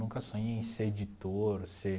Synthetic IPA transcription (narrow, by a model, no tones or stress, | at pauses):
ũŋkɐsõɲẽj̃seed͡ʒit̪oɾse